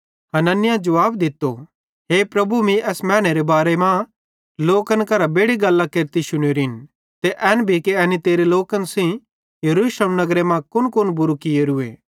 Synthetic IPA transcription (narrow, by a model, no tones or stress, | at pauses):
hɐnənɪjãd͡ʒɐʋaːbd̪ɪt̪ːo̰ | ɦeːpɾɐbumĩɛsmɛ̃ːɽ̃eɾebaːɾemã | loːkənkɐɾabeːɽiɡɐlːakeɾt̪iʃʊɽ̃oɾɦɪn | t̪eʔɛːnbʱikeɐnit̪eːɾeloːkənsĩ | jɐɾuːsləmnɐɡɾemãkʊnkʊnbʊɾukɪjeɾʊḛː